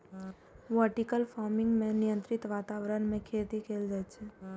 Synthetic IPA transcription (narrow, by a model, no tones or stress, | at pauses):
ʋəʈikəlfaːɾmɪ̃ŋɡmẽnijə̃nt̪ɾɪt̪ʋaːt̪aːʋɾənmẽkʰeːt̪ikʰeːld͡ʒaet͡ʃʰe